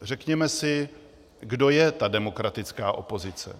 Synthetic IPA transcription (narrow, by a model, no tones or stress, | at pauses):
r̝ɛkɲɛmɛsɪ | ɡdo̞jɛt̪adɛmo̞kɾat̪ɪt͡skaːʔo̞̰po̞zɪt͡sɛ̰